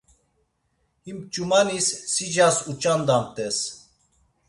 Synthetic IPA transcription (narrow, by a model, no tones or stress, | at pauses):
himp̚t͡ʃʼumanisːid͡ʒasut͡ʃʼand̪amt̪ʼɛs